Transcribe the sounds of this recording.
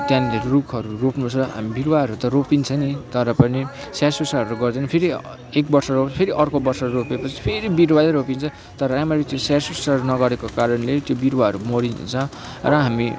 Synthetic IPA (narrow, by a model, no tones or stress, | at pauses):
t̪jãnlerukʰʌɾuropnũt͡sʰʌɦa̰mibiɾwaɦʌɾut̪ʌropint͡sʰʌnit̪ʌɾʌpʌni | sasusaʌɾuɡʌrd̪ʌnʌpʰeɾi | ek̚bʌrsʌɾopʰipʰeɾiʔʌrkobʌrsʌɾuropepʌt͡sʰi̥pʰeɾibiɾwaleɾopint͡sʰʌ̃ | t̪ʌɾʌamaɾit̪josarsusaɾunʌɡʌɾekokaɾʌnlet̪jobiɾwaɦʌɾumʌɽint͡sʰʌ̃rʌɦami